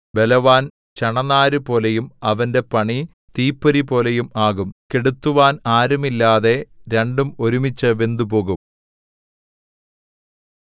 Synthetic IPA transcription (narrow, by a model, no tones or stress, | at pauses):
be̞lɐʋaːn | t͡ɕɐɳɐnaːɾɨpo̞ːlejumɐʋɐnde̞pɐɳi | t̪iːpːɐɾipo̞ːle̞jumaːɣumkeɽut̪ːuʋaːnaːɾumilːaːðe̞ɾe̞ɳɖumo̞ɾumit͡ɕːɐʋend̪upo̞ːɣum